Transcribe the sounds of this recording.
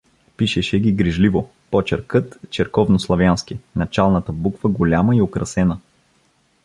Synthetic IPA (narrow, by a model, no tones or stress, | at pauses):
piʃɛʃɛɡʲiɡɾiʒlivo | pɔt͡ʃɛɾkɤt̪t͡ʃɛɾkɔvnoslˠɐvʲjanskinɐt͡ʃalˠnɐt̪əbukv̥əɡolʲaməiokɾɐsɛnə